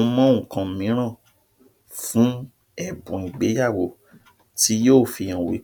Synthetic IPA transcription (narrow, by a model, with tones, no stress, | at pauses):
mɔ̃˦˨kã˧m̩˨mĩ˨˦ɾ̃ã˦˨ | fũ˨˦ | ɛ˦˨bũ˨ĩ˨ɡ͡be˨˦ja˦˨wo˧˨ | ti˧˦joː˦˨fi˧j̃ã˨wi˨˦